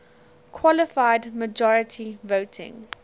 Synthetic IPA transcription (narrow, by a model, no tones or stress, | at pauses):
kʰwɔləfaɪdməd͡ʒɔɹətʰivoʊtʰɪ̰̃ŋ